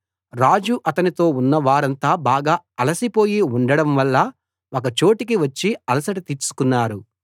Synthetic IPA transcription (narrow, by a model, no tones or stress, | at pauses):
ɾaːd͡ʒuʔɐt̪ɐnit̪o̞ːunːɐʋaːɾɐnt̪aːbaːɡaːɐlɐsipo̞ːjiuɳɖɐɽɐmʋɐlːɐ | okɐt͡ʃo̞ːʈikiʋɐt͡ʃːiɐlɐsɐʈit̪iɾsu̥kunːaːɾu